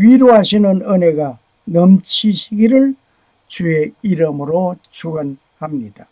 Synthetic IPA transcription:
wiɾoɦasinɯnɯneɡa | nʌmt͡ɕʰiɕʰiɡiɾɯɭ | t͡ɕʰueiɾɯmɾot͡ʃʰuɡan | hamnida

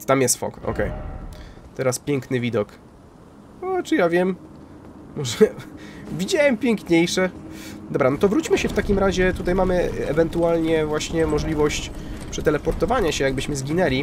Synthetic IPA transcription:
t̪amjɛst̪fɔ̰kɔ̰kɛj | t̪ɛɾaspʲjɛŋknɘvʲid̪ɔk | ɔt͡ʂɨjavʲjɛm | mɔʐɛvʲid͡ʑawɛmpʲjɛŋkɲejʂɛd̪ɔbɾanɔt̪ɔvɾut͡ɕmɘɕɛft̪akʲimɾaʑɛt̪ut̪ajmamɘɛvɛnt̪ualɲɛvwaɕɲɛmɔʐlʲivɔɕt͡ɕpʂɛt̪ɛlɛpɔɾt̪ɔvaɲaɕɛjaɡ̚bɘɕmɘzɡʲinɛlʲi

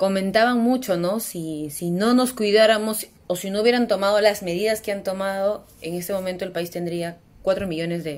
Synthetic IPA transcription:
ko̞mẽ̞nt̪aβaŋmut͡ʃo̞no̞sisino̞no̞skwiðaɾamo̞s | osino̞uβjeɾant̪o̞mað̞o̞lazme̞ðiðaskeant̪o̞mað̞o̞ | eŋe̞st̪e̞mo̞mẽnt̪oelpaist̪e̞nd̪ɾia | kwat̪ɾo̞miʝo̞ne̞zðe

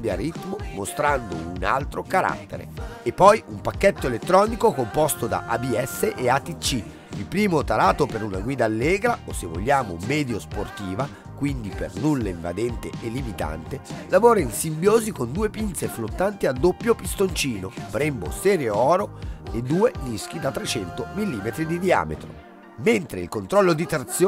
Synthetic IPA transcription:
d̪ea̰rːit̪momost̪ɾand̪o̰una̰lt̪ɾokaɾa̰t̪ːḛɾḛepːɔjumpakːet̪ːoelet̪ːɾɔːnikokompost̪od̪a̰ʔabiɛsːeʔeat̪it͡ʃːi | ilpɾiːmot̪aɾaːt̪opeɾunaɡwiːd̪aːlːɛːɡɾaosevo̰ʎːaːmomɛːd̪josport̪iːva | kwind̪ipḛrnulːaiɱva̰d̪ɛnt̪ḛːlːimit̪a̰nt̪elavoːɾainsimbjoːzikond̪uːepint̪seflot̪ːant̪iad̪ːopːjopist̪ont͡ʃiːnobɾɛmbo̰sɛːɾjoɔːɾoed̪ːuːenisk̟id̪at̪ːɾet͡ʃɛnt̪omilːiːmet̪ɾid̪id̪ia̰ːmḛt̪ɾo̰ | ment̪ɾeḭlkont̪ɾɔlːod̪it̪ɾat̪sj

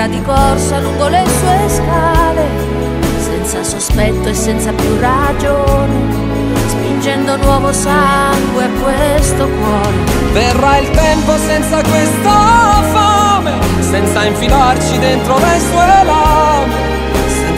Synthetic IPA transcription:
ad̪ikɔrsaluŋɡolesuːeskaːle | sɛnt̪sasospɛt̪ːoesːɛnt̪sapjurːad͡ʒone | spind͡ʒɛnd̪onwɔːvosaŋɡweakːwest̪okwɔːɾe | verːailt̪ɛmposɛnt̪sakwest̪afame | sɛnt̪saiɱfilart͡ʃid̪ent̪ɾolejsueelame

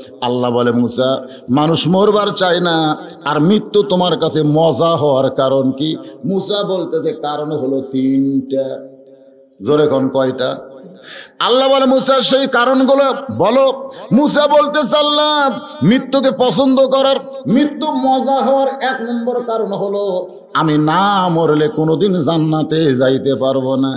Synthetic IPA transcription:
alːabɔlemusa | manuʃmoɾbaɾt͡ɕajnaː | ɾmɾit̪ːut̪omaɾkat͡ɕʰemɔzaɦɔoaɾkaɾonkimusabolt̪ezekaɾonɦolot̪inʈa | zoɾekonkɔjʈa | alːabalemusaʃejkaɾonɡulobɔlomus̬abolt̪esalːa | mɾit̪ːuk̬epɔsond̪okɔɾaɾ | mɾit̪ːumɔzaɦɔoaɾɛknɔmboɾkaɾonɦolo | aminamoɾelekonod̪inzanːat̪ezajt̪epaɾbona

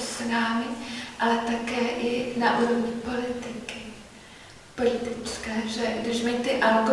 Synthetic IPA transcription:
snaːmɪʔalɛt̪akɛːʔɪnaʔuːɾovɲɪpo̞lɪt̪ɪkɪ | po̞lɪt̪ɪt͡skɛːʒɛɡdɪʃmɛt̪ɪʔalɡo

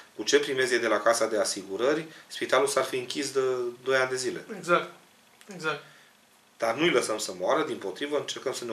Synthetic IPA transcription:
kut͡ʃe̞pɾime̞zed̪e̞lakasad̪e̞asiɡuɾərʲspit̪alulsarfiɨŋkʲisd̪əd̪o̞jand̪e̞zile̞̰eɡzakt̪ | eɡzak̪ | d̪arnujləsəmsəmoaɾəd̪impo̞t̪ɾivəɨnt͡ʃe̞rkəmsəne

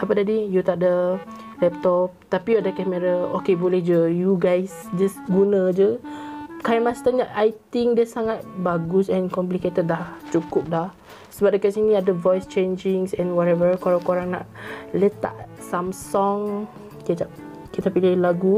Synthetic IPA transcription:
ʔapədadijut̪aʔ̚də | lɛp̚t̪ɔp̚t̪apiadəkɛmɛɾaokebolehd͡ʒəjuɡajsd͡ʒəsɡunə̃d͡ʒə | kajmast̪əɲaʔʔajt̪iŋdəsaŋat̪̚baɡusɛ̃nkɔmp̬liket̪əd̚laht͡ʃukʊp̚lah | səbap̚dəkasinĩadəvɔjst͡ʃẽnd͡ʒĩŋsɛ̃nwɔtɛvəkoɾãkoɾaŋna̰ʔlɛt̪a̰ʔsãmsɔŋ | kiəd͡ʒaʔ̚ | kit̪apilɪhlaɡu

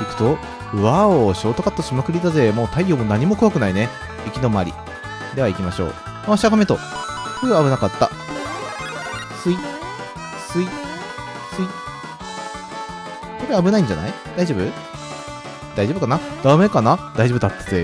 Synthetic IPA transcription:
ikɯ̟̥t̪o̞ | ɯβaoɕo̞ːt̪okat̪ːaɕimakɯ̟ɾʲit̪aze̞moːt̪aijʲoːmonaɲ̟imo̞kɯoβakɯ̟naine | ikʲino̞maɾʲḭ | d̪e̞βaikʲimaɕo̞̰ː | maɕaɡame̞t̪o̰kɯɾeabɯ̟nakat̪ːa̰ | sɨi | sɨi | sɨi | soɾeabɯ̟naĩɲ̟d͡ʑa̰na̰id̪aiʑobɯ̟ | d̪̥aiʑo̞ːbɯ̟kanad̪̥ame̞kanad̪aiʑobɯ̟d̪at̪ːḁze

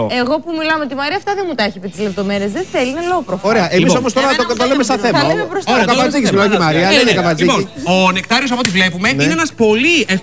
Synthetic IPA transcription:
eɣo̞pumilɐmet̪imɐɾiɐft̪ɐðenmut̪çipit̪izle̞pt̪o̞me̞ɾiezðeθelinelopɾofoɾe̞ɐʔe̞misso̞mo̞st̪o̞ɾɐt̪ot̪olemest̪ɐθemɐt̪emepɾosookɐpɐd͡zikcismilɐmet̪imɐɾiɐnenekɐpɐnzioisonek̚t̪ɐɾiosɐpot̪ivle̞pumeninneenɐspo̞lie

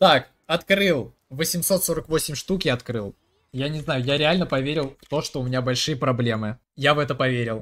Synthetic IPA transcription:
t̪ak | ɐt̪kɾɨlˠ | vəsʲɪmso̞t̪so̞ɾəkvo̞sʲɪmʲʂt̪ukʲɪɐt̪kɾɨlˠ | janʲɪznajʊjaɾʲɪalʲnəpɐvʲeɾʲɪlˠft̪o̞ʂt̪oʊmʲɪnʲabɐlʲʂɨjəpɾɐblʲe̞mɨ | javɛt̪əpɐvʲeɾʲɪlˠ

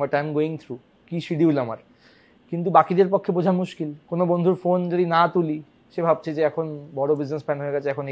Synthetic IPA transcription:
maɾʈajmɡoiŋt̪ʰɾu | kiʃiɖiɦulamaɾ | kint̪̬ubakid̪eɾpokʰːebod͡ʑʱaɾmuʃkilkonobond̪ʱuɾfond͡ʑod̪inat̪uli | ʃebʱab̚t͡ɕʰed͡ʑeɛkʰonbɔɽobid͡ʑnespɛnɦoeɡɛt͡ɕʰeɛkʰon

